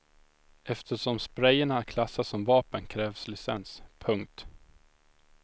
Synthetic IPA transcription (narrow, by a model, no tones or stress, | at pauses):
ɛft̪ʰəʂɔmspɾɛjəɳakʰlasːasɔmvɑːpənkʰɾɛːvslɪsɛnspʰɵŋk̚t̪